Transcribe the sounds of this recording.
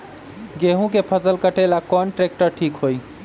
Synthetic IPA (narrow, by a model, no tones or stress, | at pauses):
ɡeɦũkepʰəsəlkəʈelakɔɳʈɾek̚ʈəɾʈʰikɦoj